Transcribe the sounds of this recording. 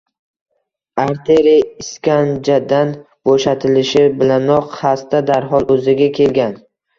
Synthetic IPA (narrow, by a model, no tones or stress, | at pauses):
aɾt̪ʰeɾiɪskʲand͡ʒad̪an | b̥oʃat̪ʰɪlɪʃɪbɪlanɒqhast̪ad̪aɾɦɒlˠɵzɪɡʲakʲʰe̞lɡʲan